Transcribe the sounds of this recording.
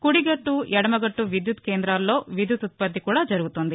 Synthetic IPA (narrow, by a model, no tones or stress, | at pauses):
kuɽiɡɐʈːujɛɽɐmɐɡɐʈːuʋid̪jut̪keːnd̪ɾaːlːo̞ːʋid̪jut̪ut̪̚pɐd̪ːikuːɽaːd͡ʒɐɾuɡut̪ond̪i